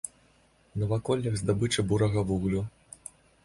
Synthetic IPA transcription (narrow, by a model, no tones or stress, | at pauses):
nɐvakɔlʲːɐɣzd̪abɨt͡ʂɨbuɾɐɣɐvuɣlʲu